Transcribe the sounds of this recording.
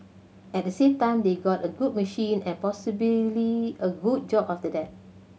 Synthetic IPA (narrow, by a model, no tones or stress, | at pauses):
ɛt̚dəsẽmtãɪ̃mdeɡɔtəɡud̚məʃĩnɛ̃npɔsibililiəɡud̚d͡ʒɔpaftədɛt̚